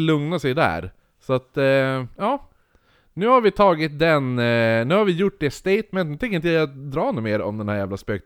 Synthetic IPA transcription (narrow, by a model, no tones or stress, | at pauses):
lɵŋnasɛjd̪æ̰ːɾ | sɔat̪jɑː | nʉ̟ːhaɾvɪt̪ʰɑːɡɪt̪̚d̪ɛnnʉ̟ːhaɾvɪjʊʈ̚ːd̪ɛst̪eɪjt̪mɛnnʉːt̪ɛŋkəɾɪnjd̪ɾɑːnuːmeːɾɔ̰md̪ɛnhæːɾjæːvlaspøːk̚t̪